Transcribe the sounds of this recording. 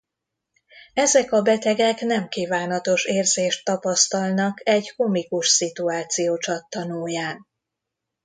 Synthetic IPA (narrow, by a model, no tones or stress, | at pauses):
ɛzɛkɒbɛt̪ɛɡɛknɛmkiːvaːnɒt̪o̞ʃeːrzeːʃt̪ːɒpɒst̪ɒlnɒkɛɟkumikuʃsit̪uaːt̪sijoːt͡ʃɒt̪ːɒnoːjaːn